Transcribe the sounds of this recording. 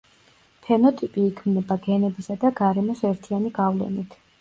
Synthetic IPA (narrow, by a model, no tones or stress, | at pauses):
pʰɛnɔt̪ʼipʼiːkʰmnɛbaɡɛnɛbisad̪aɡaɾɛmɔsɛɾt̪ʰianiɡavlɛ̰nit̪ʰ